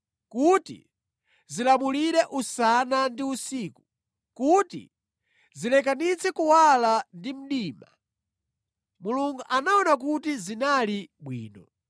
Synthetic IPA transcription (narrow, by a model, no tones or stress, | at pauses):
kutḭ | zilamuliɾɛʔusanandiusiːku | kutḭ | zilɛk̬anit͡sʰɛkuwalandim̩ɗiːma̰ | muluŋɡuʔanaɔnak̬utizinaliɓwḭːnɔ